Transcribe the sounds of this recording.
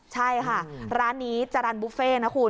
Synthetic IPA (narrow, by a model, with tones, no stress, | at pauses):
t͡ɕʰa˥˩jkʰa˥˩ɾaː˦˥nːiː˦˥t͡ɕa˧ɾa˧nbuː˦˥feː˥˩na˦˥kʰuː˧˩